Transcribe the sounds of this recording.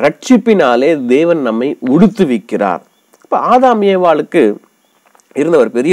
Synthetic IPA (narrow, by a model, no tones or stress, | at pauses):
ɾɐʈ̚t͡ʃɪpːɪnaːleːd̪eːʋɐnnɐmːɐɪʊɽɯt̪ːɯʋɪkːɪra̰ːɾ | ɐpːo̰ːaːðaːmɪjɐːʋaːɭɯkːɯ | ɪɾɯnd̪ɐʋɐɾpɛɾɪjɐ